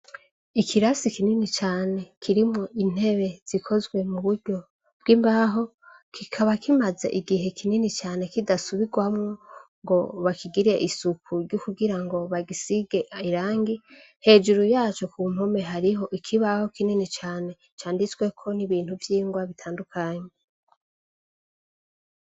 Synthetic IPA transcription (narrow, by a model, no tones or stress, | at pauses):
ikʰiɾasikininit͡ʃaːne̞kʰiɾimŋo̞ʔin̥he̞βe̞z̥ikʰo̞zɡwe̞muβuɾɟo̞ | b̥̚ɡiːmbaɦo̞ | kʰikʰaβakimaza̰ʔiɡiɦe̞kʰininit͡ʃaːne̞kidasuβiɡwamŋoŋɡo̞βakʰiɡiɾeʔisukuɾɟukuɡiɾaŋɡo̞βaɡisiɡe̞iɾaːŋɡi | he̞ːd͡ʒuɾujaːt͡ʃo̞kuːm̥ho̞me̞ɦaɾiɦo̞ʔikʰiβaho̞kininit͡ʃaːne̞ | t͡ʃaːndit͡swe̞kʰo̞niβiːn̥huvjiːŋɡwaβitʰaːndukʰaːɲe